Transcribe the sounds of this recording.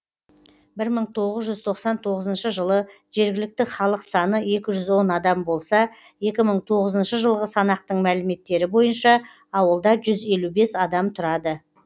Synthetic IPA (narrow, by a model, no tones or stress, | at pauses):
bɪɾməɴt̪ʰo̞ʁəzʒʏzt̪ʰo̞qsɑnt̪ʰo̞ʁəzənʃəʒəlˠə | ʒe̞ɾɡʲɪlɪk̚t̪ɪχɑlˠəqsɑnəe̞kʲɪʒʏzwo̞nɑd̪ɑmbo̞lˠsɑ | je̞kʲɪməɴt̪ʰo̞ʁəzənʃəʒəlˠʁəsɑnɑq̚t̪əɴmælɪme̞t̪ːe̞ɾɪbo̞jənʃɑː | wəlˠd̪ɑʒʏze̞lube̞sɑd̪ɑmt̪ʰʊɾɑd̪ə